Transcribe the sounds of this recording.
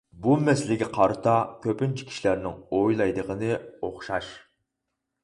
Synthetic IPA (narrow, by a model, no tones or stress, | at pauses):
bumɛsɪlɪɡʲɛqʰɑɾɨt̪ʰɑkʲʰøpɪnt͡ʃʰi̥kʰʲi̥ʃilæɾnɪŋojlˠɑjd̪əʁənɨoχʃɑʃ